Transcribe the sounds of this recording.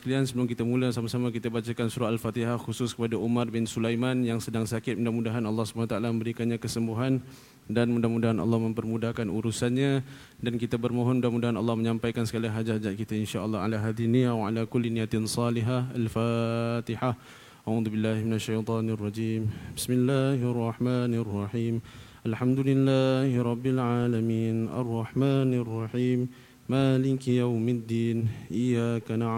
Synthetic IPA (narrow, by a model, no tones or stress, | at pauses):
kaliansəbəlʊmk̬it̪amulasamasamak̬it̪abat͡ʃakansuɾaalfat̪iɦahxusʊskəpadaʔumarbɪnsulajmanjaŋsədaŋsakɪt̪̚mundahmudaɦanɑlːɑhsə̥manat̪aʔalamə̃mbəɾikanɲakəsəmbuɦan | danmudamudaɦanʔɑ̰lːɑhmə̃mpərmudahkanuɾusanɲa | dankit̪abərmoɦɔnudahmudaɦanɑ̰lːɑhməɲãmpajkansəkaliɦad͡ʒaad͡ʒaʔ̪̚kit̪ainʃaʔəlːɑa̰laɦad̪iɦinijawa̰lakʊlːinijat̪ɪnsɑliɦaalfat̪iħa | ʔaʕuːðubɪlːaːhmɪnaʃːajt̪ˤɑːnrˤːɑd͡ʒiːmbɪsmɪlːaɦʔɑrˤːɑħmaːnarˤːɑħiːmʔalħamd̪ulɪlːaːhɾˤɑbːɪlʕaːlamiːnʔa̰rˤːɑħmaːnrˤːɑħiːmː | aːlɪkjawmɪd̪ːiːnʔɪjakana